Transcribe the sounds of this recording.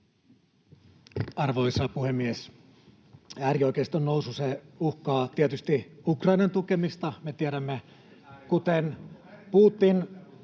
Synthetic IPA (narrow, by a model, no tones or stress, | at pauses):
ɑrʋoisɑpuhemːies | æːrioikest̪onnoususeuhkɑːt̪iet̪yst̪iukrɑinɑnt̪ukemist̪ɑmet̪iæɾæmːe | kut̪enpuːt̪ːin